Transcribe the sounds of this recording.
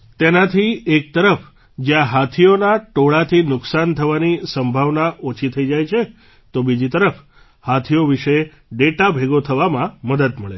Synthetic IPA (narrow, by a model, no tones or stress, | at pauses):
t̪enat̪ʰiek̚t̪əɾəf | d͡ʒjãɦat̪ʰionaʈoɭat̪ʰinʊksant̪ʰəʋanisəmbʱaʋnaʔot͡ʃʰit̪ʰəid͡ʒajt͡ʃʰe | t̪obid͡ʒit̪əɾəf | hat̪ʰioʋiʃe | ɖeʈabʱeɡot̪ʰəʋamãməd̪əd̪məɭe